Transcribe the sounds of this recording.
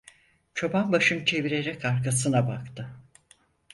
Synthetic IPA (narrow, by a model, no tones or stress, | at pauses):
t͡ʃʰo̞banbaʃɯmt͡ʃʰe̞viɾe̞ɾɛkaɾkasɯnabakt̪ʰɯ